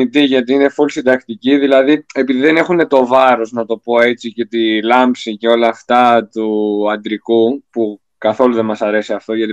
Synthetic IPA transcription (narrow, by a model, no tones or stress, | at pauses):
it̪iʝɐt̪iine̞fulsid̪ɐkt̪iciðilɐðiepiðiðe̞ne̞xune̞t̪o̞vɐɾo̞znɐt̪o̞po̞e̞t͡sice̞t̪ilɐmpsice̞o̞lɐːft̪ɐt̪uɐnd̪ɾikupu | kɐθo̞luðemɐsɐɾe̞siɐft̪o̞ʝɐt̪i